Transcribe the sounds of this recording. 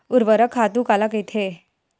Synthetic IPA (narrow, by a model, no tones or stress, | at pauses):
uɾʋəɾəkʰːat̪ukalaket̪ʰe